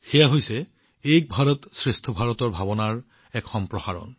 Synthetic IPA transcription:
xɛjaɦojsɛ | ejk̚bʱaɹɔtsɹestʰɔbʱaɹɔtɔɹbʱabɔnaɹ | ɛkxɔmpɹɔxaɹɔ̰n

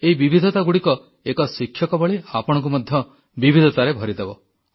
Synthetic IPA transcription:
eɦibibʱid̪ʱɔt̪aɡuɽikɔ | ekɔsikʰjɔkɔbɔɭiapɔɽ̃ɔ̃ŋk̬umɔd̪ʱjɔ | bibʱid̪ʱɔt̪aɾebʱɔɾid̪ebɔ

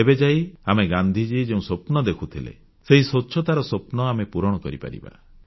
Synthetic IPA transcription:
ebed͡ʒajameɡand̪ʱid͡ʒid͡ʒeũsopnɔd̪ekʰut̪ʰilḛ | seɦisoːʃʰɔt̪aɾɔsopnɔamepuɾɔɽ̃ɔkɔɾipa̰ɾḭba̰

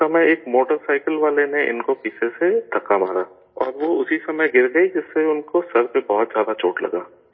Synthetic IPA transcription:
sɐməjeːkmoːʈəɾsaːɪkəlʋaːleneʔɪ̰nkopiːsʰesed̪ʱɐkːamaːɾaː | ɔ̰ːɾʋoʊsisɐməjɡɪɾɡɐid͡ʒɪsːeʊnkosɐɾpebɔɦʊt̪zjaːd̪at͡ʃoːʈlɐ̰ɡaː

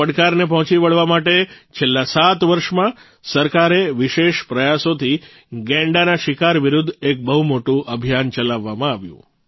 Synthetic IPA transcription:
əɽkaɾnep̬əɦɔ̃t͡ʃiʋəɭʋamaʈet͡ʃʰelːasat̪ʋəɾʃmã | səɾkaɾeʋiʃeʃpɾəjasot̪ʰi | ɡɛ̃ɳɖanaʃikaɾʋiɾud̪ʱːek̚bəɦumoʈũʔəbʱijant͡ʃəlaʋːamãaʋjṵ̃

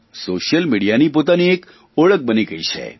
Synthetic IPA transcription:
soːʃjəlmiɽijanipoːt̪aniek | oɭək̚bəniɡəit͡ʃʰḛ

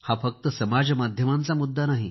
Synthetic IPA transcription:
hafək̚t̪əsəmad͡zmad̪ʱjəmãnt͡samud̪ːanaɦi

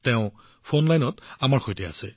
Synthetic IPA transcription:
tɛʊ̃ | pʰonlajnɔtamaɹxojtɛa̰sɛ

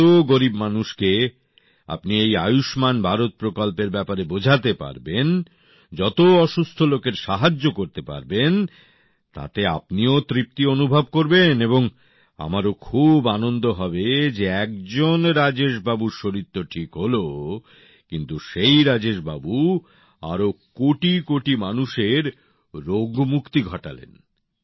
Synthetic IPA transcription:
oɡoɾibmanuʃke | a̰pniejajuʃmanbʱaɾot̪̚pɾokolpeɾbɛpaɾebod͡ʑʱat̪epa̰ɾben | d͡ʑɔt̪oɔʃust̪ʰolokeɾʃaɦad͡ʑːokoɾt̪epa̰ɾben | t̪a̰t̪ea̰pniot̪ɾip̚t̪ionubʱab̚koɾbeneboŋ | a̰maɾokʰubanond̪oɦɔbed͡ʑeɛk̚d͡ʑonɾad͡ʑeʃbabuɾʃoɾit̪ːoʈʰikɦolo | kint̪uʃejɾad͡ʑeʃba̰bu | a̰ɾokoʈikoʈimanuʃeɾ | ɾoɡmukt̪iɡʱɔʈa̰lḛn

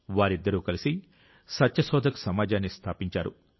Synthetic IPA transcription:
ʋaːɾid̪ːɐɾuːkɐlisi | sɐtːjɐsɔːd̪ʱɐku̥sɐmaːd͡ʒaːnːist̪ʰaːpiɲt͡ʃaːɾṵ

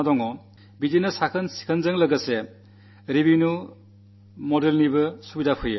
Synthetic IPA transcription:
dɔŋɔ | bid͡ʒinɐsakʰɐnsi̥kʰɐnzɐŋlɐɡɐse | ɾibinu | modelnibɐsubidapʰɯje

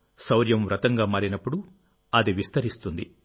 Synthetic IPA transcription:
sɐwɾjɐmʋɾɐt̪ɐŋɡaːmaːɾinɐpːuɽu | ɐd̪iʋist̪ɐɾist̪und̪i

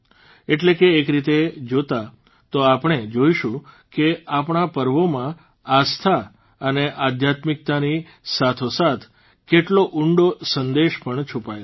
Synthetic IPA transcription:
eʈlekeːkɾit̪ed͡ʒot̪a | t̪oapɳ̃ed͡ʒoiʃũ | keapɳ̃apəɾʋomã | ast̪ʰa | əneʔad̪ʱjat̪mɪk̚t̪ani | sat̪ʰosat̪ʰ | keʈloʔuɳɖosənd̪eʃpəɳt͡ʃʰupae

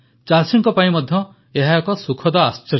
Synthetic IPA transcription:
t͡ʃalsiŋkɔpaĩmɔd̪ʱjɔ | eɦakɔsukʰɔd̪ɔast͡ʃɔɾ

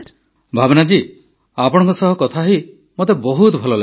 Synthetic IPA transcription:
bʱabɔnad͡ʒi | apɔɽ̃ɔŋkɔsɔɦɔkɔt̪ʰaɦi | mot̪ebɔɦut̪ɔbʱɔlɔla

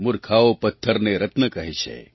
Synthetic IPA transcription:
muɾkʰaopət̪ʰːəɾneɾɐt̪nəkɐɦet͡ʃʰḛ

